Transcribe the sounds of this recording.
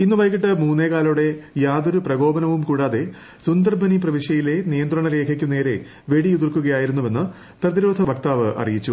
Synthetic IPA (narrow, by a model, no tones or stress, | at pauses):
inːɨʋɐjkiʈːɨmuːnːeːkaːluɽe̞jaːd̪oɾuprɐɡo̞ːbɐnɐʋumkuːɽaːðe̞ | sund̪ɐrbɐnip̬rɐʋiʂjɐjile̞nijɐnd̪rɐɳɐɾe̞ːkʰɐkʲːune̞ːɾe̞ | ʋe̞ɽijuðirkːuɣɐjaːjiɾunːume̞nːɨ | t̪ɐrd̪iɾoːd̪ʱɐʋɐkt̪aːʋɨʔɐ̰rijit͡ɕːu